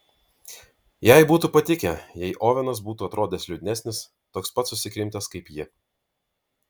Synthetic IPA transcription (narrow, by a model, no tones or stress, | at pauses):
jɛɪbuːt̪uːpɐt̪ʲɪkʲɛjɛɪʔoːʋʲɛnɐs̬buːt̪uːɐt̪ɾoːd̪ʲeːslʲʊd̪ʲnʲæsʲnʲɪs | t̪oːkspɐt̪sʊsʲɪkɾʲɪmʲt̪ʲɛskɐɪpjɪ